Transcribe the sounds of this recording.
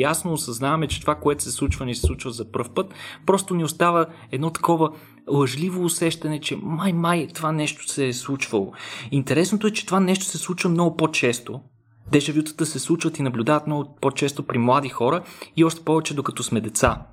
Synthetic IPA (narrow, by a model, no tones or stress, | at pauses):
jasnoːsɐznavɐmɛt͡ʃɛ̥t̪ovakoɛt̪o̥sɛslˠut͡ʃvənisɛ̥slˠut͡ʃvəzɐpɤɾfpɤt̪pɾɔst̪onɛost̪avə | ɛd̪nɔt̪ɐ̥kɔvə | lˠɐʒlivoːsɛʃt̪ɐnɛt͡ʃɛmajmajt̪ovanɛʃt̪o̥sɛːslˠut͡ʃvɐlˠo̰int̪ɛɾɛsnot̪oɛt͡ʃɛ̥t̪ovanɛʃt̪o̥sɛslˠut͡ʃvəmnɔɡʊpot͡ʃɛst̪o | d̪ɛʒɛvjut̪ə̥t̪əsɛslˠut͡ʃvət̪inɐblʲud̪avɐt̪mnɔɡʊpot͡ʃɛst̪opɾimlˠad̪ixɔɾəiɔʃt̪ɛ̥pɔvɛt͡ʃɛd̪okɐt̪ɔsmɛd̪ɛt̪sa